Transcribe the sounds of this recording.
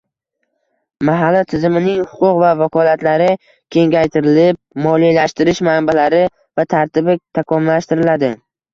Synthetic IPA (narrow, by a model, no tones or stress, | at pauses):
maɦalːat̪ʰɪzɪmɪnɪŋhʊqʰʊqvavakʰɒlat̪laɾɪ | kʲʰe̞ŋɡʲajt̪ʰɪɾɪlɪp̚mɒlˠijlaʃt̪ɪɾɪʃmambalaɾɪ | vat̪ʰaɾt̪ɪbɪt̪ʰakʰɒmlːaʃt̪ɪɾɪlad̪ɪ